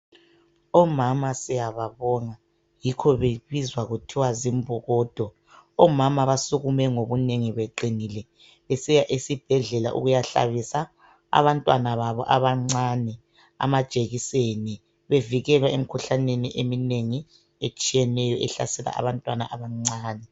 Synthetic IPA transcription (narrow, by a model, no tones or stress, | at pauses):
ɔmamasijaβaβɔŋa | jikʰɔβeβizwaɣutʰiwazimbʱɔɣɔːd̥ʱɔ | ɔmamaβasuɣumɛŋoβuneŋiβeǃinilɛ | esijaʔisib̥ʱɛɮɛla̰ʔṵɣujaɬa̰βisa | a̰βantʼwanaβaβɔʔaβaŋ͡ǀaːnɛ | a̰mad̥ʒ̥ʱʼeɣiseni | βeviɣɛlwaemikʰuɬaneniʔemineŋi | et͡ʃʼijɛnɛjɔʔɛɬa̰sɛla̰ʔa̰βantʼwana̰ʔaβaŋ͡ǀaːnɛ